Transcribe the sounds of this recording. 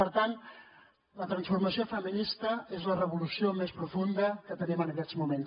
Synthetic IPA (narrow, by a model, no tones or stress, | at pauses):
pəɾt̪ant̪ | lət̪ɾənsfuɾməsiofəminist̪əezlərəβ̞ulusiomespɾufund̪əkət̪ənimənəkɛɾzmumens